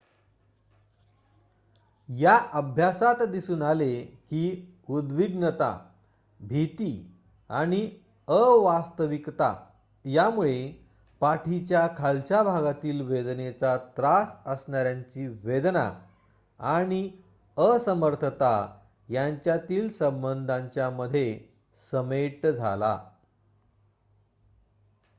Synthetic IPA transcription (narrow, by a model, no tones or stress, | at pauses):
jaʔəbʱjasat̪d̪isuːnalekiː | ud̪ʋiɡnət̪a̰ | bʱit̪i | a̰ɽ̃i | əʋast̪əʋikt̪a̰ | jamuɭe | paʈʰit͡ɕjakʰalt͡ɕjabʱaɡat̪iːlʋed̪net͡sat̪ɾasəsɳaɾjaɲt͡ɕiːʋed̪na̰ | aɽ̃i | əsəməɾt̪ʰət̪a | jaɲt͡ɕjat̪iːlsəmbənd̪ʱãɲt͡ɕjaməd̪ʱːje | səmeʈd͡zʱa̰la̰